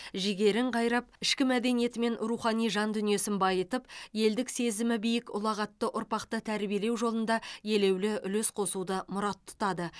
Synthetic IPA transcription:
ʒɪɡʲe̞ɾɪɴqʰɑjɾɑp̚ɪʃkʲɪmæd̪e̞nije̞t̪ɪme̞nɾuχɑnijʒɑnd̪ʏnije̞sɪnbɑjət̪əpje̞ld̪ɪkse̞zɪmɪbijɪkʊ̰lˠɑʁɑt̪ːəʔʊɾpɑqt̪ət̪ʰæɾbije̞le̞wʒo̞lˠənd̪ɑje̞le̞wlɪʔʏlesqʰo̞sud̪əmʊɾɑt̪ʰːʊ̥t̪ɑd̪ə

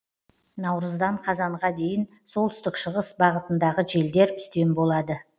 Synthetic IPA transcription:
nɑwɾəzd̪ɑɴqʰɑzɑɴʁɑd̪e̞jɪn | so̞lˠt̪ʰʏst̪ɪkʃəʁəsbɑʁət̪ənd̪ɑʁəʒe̞ld̪e̞ɾʏst̪e̞nbo̞lˠɑd̪ə

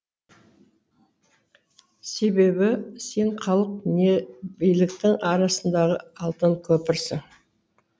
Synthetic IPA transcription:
se̞be̞bɪse̞ɴχɑlˠəq̚ne̞bijlɪkt̪ɪŋɑɾɑsənd̪ɑʁəɑlˠt̪əŋkʲʰɵpɪɾsɪŋ

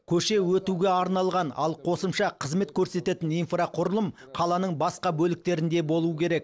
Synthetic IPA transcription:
kʲʰɵʃe̞wɵt̪uɡʲe̞ɑɾnɑlˠʁɑnɑ̰lˠqʰo̞səmʃɑqʰəzme̞t̪kʲʰɵɾse̞t̪e̞t̪ɪninfrɑqʰʊɾəlˠəm | qʰɑlˠɑnəɴbɑsqɑbɵlɪk̚t̪e̞ɾɪnd̪e̞bo̞lˠuəkʲʰe̞ɾe̞k̚

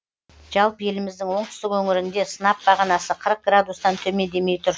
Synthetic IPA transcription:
ʒ̥ɑlˠpəje̞lɪmɪzd̪ɪŋwo̞ɴt̪ɪ̥st̪ɪkwɵŋɪɾɪnd̪e̞sənɑp̚bɑʁɑnɑsəqʰəɾəq̚ɡɾad̪ust̪ɑnt̪ʰɵme̞nd̪e̞me̞jt̪ʰʊɾ

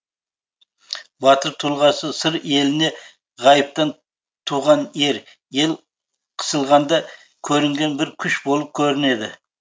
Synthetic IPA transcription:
bɑt̪əɾt̪ʰulˠʁɑsəsəɾe̞lɪne̞ | ʁɑjəp̚t̪ɑn | t̪ʰuʁɑne̞ɾ | je̞lˠ | qʰə̥səlˠʁɑnd̪ɑ | kʲʰɵɾɪŋɡʲe̞nbɪɾkʲʰʏʃbo̞lˠəp̚kʲʰɵɾɪne̞d̪ɪ̰

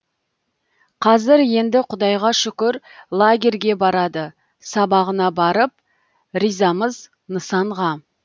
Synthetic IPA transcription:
qʰɑzɪɾje̞nd̪ɪqʰʊd̪ɑjʁɑʃʏkʲɪɾlˠaɡʲe̞ɾɡʲe̞bɑɾɑd̪ə | sɑbɑʁənɑbɑɾəp̚ | ɾijzɑməz | nəsɑɴʁɑ

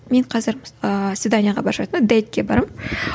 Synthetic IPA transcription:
me̞ɴqʰɑzɪɾəsvʲɪd̪anʲijaʁɑ̰bɑɾʃɑjt̪əmd̪ejt̪̚kʲːe̞bɑɾəm

